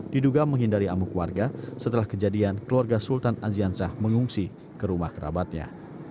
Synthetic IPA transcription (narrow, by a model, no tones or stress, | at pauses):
diduɡaməŋɦindaɾiamukuwarɡasət̪əlahkəd͡ʒadiankəluarɡasult̪anaziansahməŋuŋsi | kəɾumahkəɾa̰bat̪̚ɲa̰